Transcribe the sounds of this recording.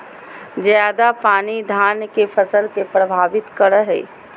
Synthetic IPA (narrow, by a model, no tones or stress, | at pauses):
zjaːd̪apaːnid̪ʱaːnkefʰəsəlkepɾəbʱaːʋɪt̪kəɽəɦɛ̰ː